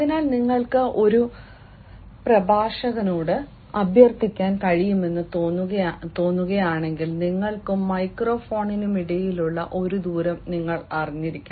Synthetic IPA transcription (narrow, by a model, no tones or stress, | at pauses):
ɐðinaːlniŋːɐɭkɨʔo̞ɾu | prɐbʱaːʂɐɣɐnoːɽɨ | ɐbʱjɐrt̪ikʲːaːnkɐɻijume̞nːɨt̪oːnːuɣɐt̪o̞ːnːuɣɐjaːɳe̞ŋɡilniŋːɐɭkɨmːɐjkro̞ːfo̞ːɳinumiɽejiluɭːɐ̰ʔo̞ɾud̪uːɾɐmniŋːɐɭɐriɲːiɾikʲːa